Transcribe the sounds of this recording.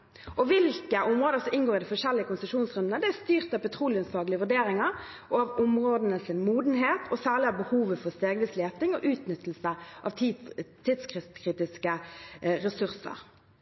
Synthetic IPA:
ʔɔʋɪlkəʔʊmʁoːd̪əsɔmɪnɡoːʁɪd̪ɪfɔʂɛlːɪəkʊnsəʂuːnsʁʉnd̪nəd̪ɛæʁst̪yːʁt̪ɑʋpɛt̪ʰʁuːlɪənsfɑːɡlɪəʋʉɖeːɾɪŋɑɾ | ʔɔɑʋʊmʁoːd̪ənəsɪnmuːd̪n̩ɦeːt̪ʰɔsæːʁlɪɑʋbəhuːʋəfɔʁst̪eːɡʋɪsleːt̪ɪŋɔʔʉːt̪nʏt̪l̩səʔɑʋt̪ʰːid̪skɪkʰʁiːt̪ɪskəʁɛsʉʁsə̰ʁ

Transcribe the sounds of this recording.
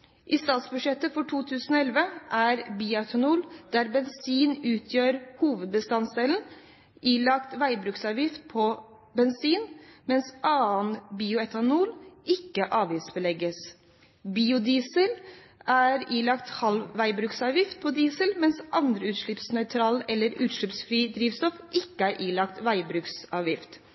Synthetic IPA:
ʔɪst̪ɑːt̪sbʉʂɛt̪ːəfɔʈʰuːt̪ʰʉːsən̩ɔɛlʋəʔæɾbiːʊɛt̪ʰɑnuːld̪̥æɾbɛnsiːnʉːt̪ʰjøːɾhuːʋəd̪̚bəst̪ɑnsɛln̩ | ʔiːlɑkt̪ʋæɪbɾʉksɑːʋjɪft̪̚pʰɔ | bɛnsiːnmɛnsʔɑːənbiːʊɛt̪ɑnuːlɪkːəʔɑːʋɪsbəlɛɡəs | biːʊd̪iːsəl | æɾiːlɑkt̪hɑlʋæɪbɾʉksɑːʋjɪft̪̚pʰɔd̪iːsəlmɛnsʔɑnd̪ɾəʉːt̪ʂɭɪpsnœʏt̪ʰɾɑːlɛlːəɾʉːt̪ʂɭɪpsfɾiːd̪ɾiːʋst̪ɔfʔɪkːəæːɾʔiːlɑkt̪ʋæɪbɾʉːksɑːʋjɪft̪

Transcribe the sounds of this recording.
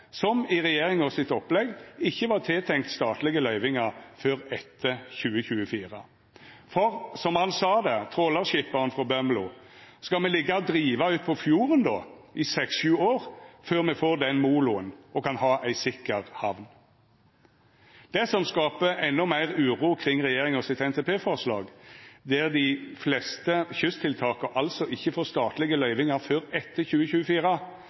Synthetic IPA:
sɔmɪʁɛjeːɾɪŋɔsɪt̪ɔplɛɡɪçːəʋɑːʁt̪ʰɪːt̪ʰɛŋkt̪st̪ɑːt̪lɪɡəlœʏʋɪŋɑføːʁɛt̪ʰːəçʉːəçʉːəfiːʁə̰ | fɔʁsɔmhɑnsɑːd̪ɛt̪ʰʁoːlɑʁʃɪpːɑʁnfʁɔbœmlʊ̰skɑlmɛlɪɡɑɔd̪ʁiːʋɑʉːt̪̚pʰɔfjuːʁənd̪o̰ːʔɪsɛksʃʉːoːʁføːʁmɛfoːʁd̪ɛnmuːlʊənʔɔkʰɑnhɑːʔæɪsɪkːəʁhɑʋn | d̪̥ɛsɔmskɑːpəʔɛnːɔmæɪʁʉːʁuːkʰʁɪŋʁɛjeːʁɪŋɔsɪt̪ɛnt̪ʰeːpʰeːfɔʁslɑ̰ːɡd̪ɛʁd̪ɪflɛst̪əçʏst̪ʰɪlt̪ʰɑːkəʔɑlsɔʔɪçːəfoːst̪ɑːt̪lɪɡəlœʏʋɪŋɑføːɾɛt̪ːəçʉːəçʉːəfiːʁə

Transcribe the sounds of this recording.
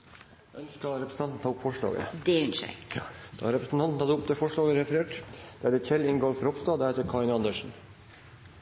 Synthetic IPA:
œnskɑɾɛpɾəsn̩t̪ɑnt̪n̩t̪ʰɑːʊpːfɔʂɭɑ̰ːɡə̰d̪ɛʉnʃə̰d̪̥ɑ̰ɾɛpɾəsn̩t̪ʰɑnn̩hɑːd̪əʊp̚t̪ʰɛfɔʂɭɑːɡəɾɛfəɾeːʈd̪̥æɾɛçɛlːɪnɡoːɾfɔɾɔpst̪ɑd̪æɾɛt̪ːəɾkʰɑɪnɑnd̪əʂn̩

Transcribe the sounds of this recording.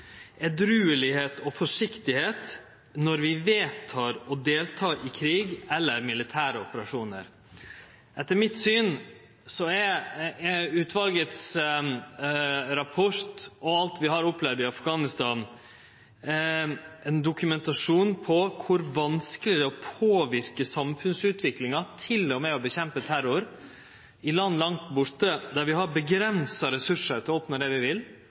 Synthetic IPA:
ɛd̪ɾʉːəlɪheːt̪ʰɔfɔʂɪkt̪ɪheːt̪ | nɔɾʋɪʋeːt̪ʰɑːɾɔd̪eːlt̪ʰɑːʔɪkʰɾiːɡɛlːəɾmɪlɪt̪ʰæːɾəɔpəɾɑʂuːnə̰ɾ | ʔɛt̪ːəɾmɪt̪syːn | sɔɛɾ | ʉːt̪ʋɑlɡət̪s | ɾɑpʰɔɾt̪ɔɑlt̪ʋɪɦɑɾɔpːlɛʋd̪ɪɑfɡɑːnɪst̪ɑːn | ɛnd̪ʊkʉmɛnt̪ɑʂuːnpʰɔkʰʊɾʋɑnskəlɪd̪ɛɔpʰoːʋɪɾkəsɑmfʉnsʉːt̪ʋɪklɪŋɑt̪ʰɪlɔmɛɔbəɕɛmpət̪ʰæɾʊɾ | ɪlɑnːlɑŋt̪bʊɾt̪əd̪æɾʋɪɦɑɾbəɡɾɛnsɑɾɛsʉʂəɾt̪ɪoːpnəɖɛʋɪʋɪl

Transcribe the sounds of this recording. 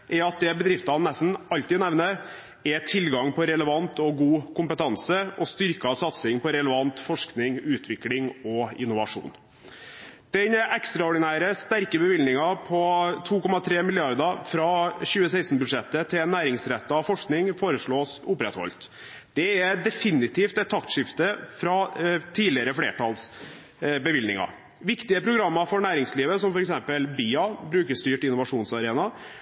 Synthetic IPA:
ʔɛɑt̪̚d̪ɛbəd̪ɾɪft̪ɑnːɛst̪n̩ɑʎt̪iːnɛʋnə | ɛt̪ʰɪlɡɑŋpʰɔɾɛləʋɑnt̪ɔɡuːkʊmpət̪ʰɑnsəʔɔst̪ʏɾkɑsɑt̪sɪŋpʰɔɾɛləʋɑnt̪fɔʂknɪŋʉːt̪ʰʋɪklɪŋɔɪ̰nːʊʋɑʂṵːn | d̪̥ɛnʔɛkst̪ɾɑɔɖɪnæːɾəst̪æɾkəbəʋɪlnɪŋɑpʰɔt̪ʰuːkɔmɑt̪ʰɾeːmɪlɪɑɾd̪ɑfɾɑɕʉːəsæɪsn̩bʉd̪ʂɛt̪ːət̪ʰɪnːæːɾɪŋsɾɛt̪ːəɑfɔʂknɪŋfoːɾəʂɭoːsʊpɾɛt̪hɔ̰lt̪ | d̪̥ɛɛd̪ɛfɪnɪt̪ʰiːft̪ɛt̪ʰːɑkt̪ʂɪft̪əfɾɑt̪ʰiːlɪəɾəfleːʈʰɑls | bəʋɪlnɪ̰ŋɑ̰ | ʋɪkt̪ɪəpʰɾʊɡɾɑmːɑfɔɳæːɾɪŋsliːʋəsɔmfɔɾɛksɛmpəlbiːɑbɾʉːkəʂst̪yːʈɪnʊʋɑʂuːnsɑɾeːnɑ

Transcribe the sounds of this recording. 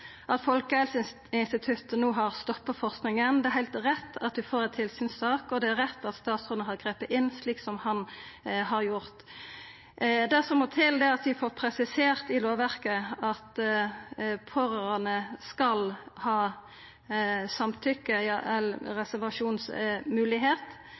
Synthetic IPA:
ʔɑt̪fɔlkəɛlsɪ | ɪnst̪ɪt̪ʰʉt̪noːɦɑɾst̪ɔpːəfɔɾsknɪŋənd̪ɛæɾhæɪlt̪ʁɛt̪ːɑt̪̚d̪ʉfoːɾɛnt̪ʰɪlsyːnsɑːkɔd̪ɛæɾɛt̪ːɑt̪st̪ɑːt̪sʉəɦɑʁɡʁeːpəɪnːsliːksɔmhɑnhɑɾjʊɾt̪ | d̪æsɔmɔt̪ʰɪld̪ɛɑt̪ʋɪfoːɾpʰɾɛsɪseːʁt̪ɪloːʋæʁkəɑt̪ | pʰoɾəɾɑnəskɑlhɑː | sɑmt̪ʰʏkːəjɑʔɛlʁɛsæʁʋɑʂuːnsmʉːlɪɦeːt̪

